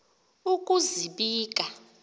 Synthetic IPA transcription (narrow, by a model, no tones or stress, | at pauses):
ukʼuziɓiːk̬ʼa